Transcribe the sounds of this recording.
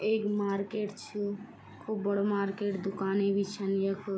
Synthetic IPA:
ekmaɾkeʈt͡ʃʰi | kʰubːəɽomaːɾkeʈd̪ukaːnebʱit͡ʃʰənjekʰ

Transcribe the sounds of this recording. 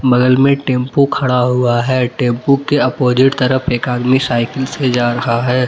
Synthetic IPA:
bɐɡəlmẽʈẽːmpukʰɐɽ̃aɦʊaɦɛːʈẽːmpukeɐpoːd͡ʒɪʈt̪ɐɾəpʰeːkaːd̪misaːɪkɪlsed͡ʒaːɾɐɦaɦɛː

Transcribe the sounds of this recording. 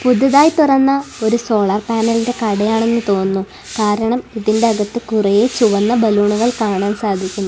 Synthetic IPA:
pud̪ʱːɐðaːjt̪urɐnːɐo̞ɾuso̞ːɭɐrpaːnɐlide̞kɐɽɐjaːɳe̞nːɨt̪o̞ːnːu | kaːɾɐɳɐmiðinde̞ɐɣɐt̪ːɨkurɐjet͡ɕuʋɐnːɐbɐluːɳuɣɐɭkaːɳaːnsaːd̪ʱikʲːunːu

